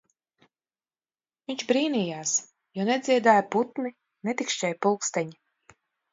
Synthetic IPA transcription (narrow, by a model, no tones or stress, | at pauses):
viɲt͡ʃbɾiːnijaːs | jɔned̪ziɛd̪aːjput̪ni | net̪ikʃt͡ʃɛjpulˠkst̪ɛɲi